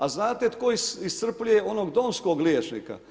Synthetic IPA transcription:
aznaːt̪et̪koisist̪sr̩plʲujeo̞noɡd̪o̞mskoɡljet͡ʃnḭka̰

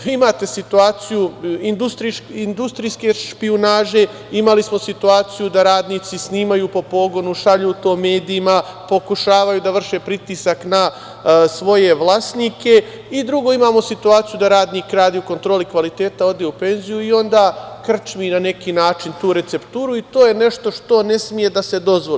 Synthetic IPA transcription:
imaːt̪e̞sit̪uaːt̪sijuind̪ust̪ɾiind̪ust̪ɾijske̞ʃpionaːʒe̞ | imalismo̞sit̪uaːt̪sijud̪aɾaːd̪niːt̪sisniːmajuːpo̞po̞ɡo̞nuʃaʎuːt̪o̞ːme̞ːd̪iːmapo̞kuʃaːʋajud̪aʋr̩ʃe̞pɾit̪iːsakna | sʋo̞je̞ʋlˠaːsniːke̞ | id̪ɾuɡo̞ːimaːmo̞sit̪uaːt̪sijud̪aɾaːd̪nikɾaːd̪iuko̞nt̪ɾoːlikʋalit̪e̞ːt̪ao̞d̪e̞upe̞nzijuio̞nd̪aːkr̩t͡ʃminane̞kiːnaːt͡ʃint̪uːɾe̞t̪se̞pt̪uːɾuit̪o̞ːje̞ne̞ʃt̪o̞ʃt̪o̞ne̞smije̞d̪ase̞d̪o̞zʋoli

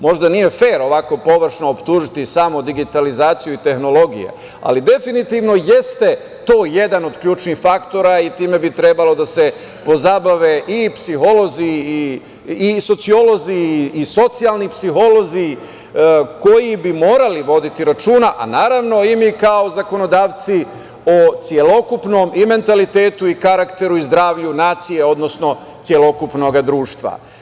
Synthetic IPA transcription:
mo̞ʒd̪anije̞fe̞ːɾo̞ʋako̞po̞ʋr̩ʃnoːpt̪uːʒit̪isamod̪iɡit̪alizaːt̪sijuit̪e̞xno̞lo̞ɡḭjḛ | a̰lid̪e̞finit̪iːʋno̞je̞st̪e̞ | t̪o̞ːje̞d̪ano̞d̪kʎuːt͡ʃnixfakt̪o̞ɾait̪iːme̞bit̪ɾebalo̞d̪ase̞ | po̞zabaʋe̞ʔipsixo̞lo̞ziː | so̞t̪sio̞lo̞ziːso̞t̪sialnipsiɦo̞lo̞zi | ko̞jibimoːɾaliʋo̞d̪it̪iɾat͡ʃuːnaʔanaːɾaʋno̞imikao̞zako̞no̞d̪aːʋt̪si | ot̪sje̞lo̞kupno̞mime̞nt̪alit̪eːt̪uikaɾakt̪e̞ɾuizd̪ɾaːʋʎunaːt̪sijeo̞d̪no̞sno̞ | tsje̞lo̞kupno̞ɡad̪ɾuːʃt̪ʋa̰

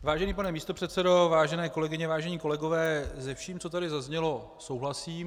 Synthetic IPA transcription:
vaːʒɛniːpanɛmiːst̪o̞pr̥ɛt̪sɛdo̞vaːʒɛnɛːko̞lɛɡɪɲɛvaːʒɛɲiːko̞lɛɡo̞vɛːzɛfʃiːmt͡so̞t̪adɪzazɲɛlo̞ | so̞wɦlasiːm

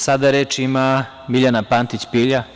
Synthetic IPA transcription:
sad̪aɾeːt͡ʃima | miʎanapaːnt̪it͡ɕpiːʎa

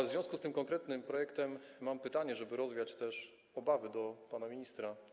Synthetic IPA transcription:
zvʲɔ̃w̃skust̪ɘmkɔŋkɾɛt̪nɘmpɾɔjɛkt̪ɛmːampɘt̪aɲɛʐɛbɘɾɔzvʲjat͡ɕt̪ɛʂ | ɔbavɘd̪ɔpanamʲiɲist̪ɾa

